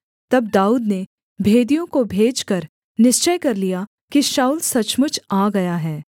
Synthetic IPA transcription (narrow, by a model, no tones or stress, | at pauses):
t̪ɐb̚d̪aːuːd̪ne | bʱeːd̪ijõkobʱeːd͡ʒkɐɾ | nɪʃt͡ʃəjkɐɾlija | kiʃaːuːlsɐt͡ʃmʊt͡ʃʰaːɡɐjaɦɛː